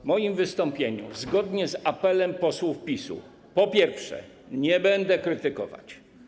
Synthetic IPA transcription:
mɔjimvɘst̪ɔmpʲjeɲṵzɡɔd̪ɲɛzapɛlɛmpɔswufpʲisṵ | pɔpʲjɛɾfʂɛ̰ | ɲɛbɛnd̪ɛkɾɘt̪ɘkɔ̰va̰t͡ɕ

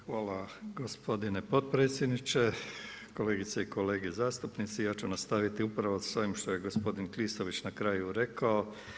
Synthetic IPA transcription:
xʋaːlaɡospo̞d̪inepot̪̚pɾeːt̪sʲjed̪nit͡ʃe̞ko̞le̞ːɡit̪seiko̞le̞ːɡezaːst̪upnit̪sijaːt͡ʃunast̪aʋit̪iupɾaʋosoʋimʃt̪oje̞ɡo̞spo̞d̪inkliːst̪o̞ʋit͡ʃnakɾaːjuɾe̞kao

